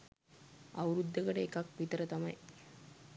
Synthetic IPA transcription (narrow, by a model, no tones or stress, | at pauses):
aʋɾud̪ːəkəʈəekakʋit̪əɾət̪amɐj